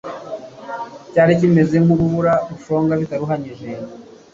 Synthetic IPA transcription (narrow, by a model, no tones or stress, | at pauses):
caːɾic̬ime̞ze̞ŋuβuβuɾaβufo̞ːŋɡaβitaɾuɦaɲiʒe